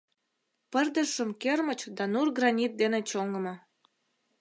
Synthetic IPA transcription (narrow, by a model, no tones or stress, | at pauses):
pərd̪əʃəmkermət͡ɕd̪ɑnurɡrɑnʲit̪̚d̪enet͡ɕoŋəmə